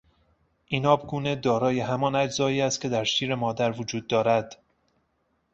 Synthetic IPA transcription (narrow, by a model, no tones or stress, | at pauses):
ʔinɒːbɡuːned̪ɒːɾɒːje̞ɦæmɒnæd͡ʒzɒːiːæst̪̚cʰe̞d̪æɾʃiːɾemɒːd̪æɾvod͡ʒuːd̪ːɒːɾæd̪̥